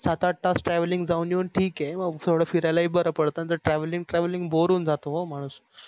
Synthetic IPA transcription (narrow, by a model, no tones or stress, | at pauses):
sat̪aʈːasʈɾɛʋliŋɡd͡zauniəɳʈʰiːkɦeməɡt̪ʰoɽəːfiɾalaiːbəɾəpəɽt̪ãt̪əɾʈɾɛʋliŋɡʈɾɛʋlĩŋɡboɾuːnd͡zat̪oɦom̤aɽ̃uːs